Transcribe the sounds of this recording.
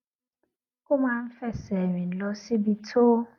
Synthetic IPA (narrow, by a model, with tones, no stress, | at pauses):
kʊ˦mã˨˦m̩˦fɛ˦sɛ˨ɥĩ˨n̩˨lɔ˦sɪ˦bi˨tʰo˦